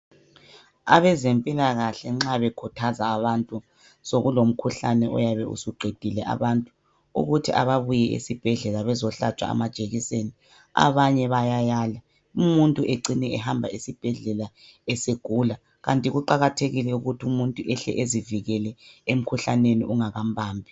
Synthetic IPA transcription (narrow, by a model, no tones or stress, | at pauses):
a̰βɛzempʼilaɣaɬɛŋ͡ǁaβɛkʰutʰazaːβantʼu | soɣulom̩kʰuɬanɛʔɔ̰jaβɛṵsuɡ͡ǃʱed̥ʱilɛʔa̰βantʼu | ṵɣutʰiʔa̰βaβujɛʔḛsib̥ʱɛɮɛlaβɛzɔɬa̰t͡ʃʼwa̰a̰mad̥ʒ̥ʱʼeɣiseni | a̰βaɲɛβajajaːla | umuntʼuʔeǀinɛɛhambʱaisib̥ʱɛɮɛlaɛseɡ̥ʱula | ɣantʼiɣuǃaɣatʰeɣilɛuɣutʰiumuntʼuʔɛɬɛ̰ʔeziviɣɛlɛem̩kʰuɬanenḭʔuŋaɣambʱaːmbʱi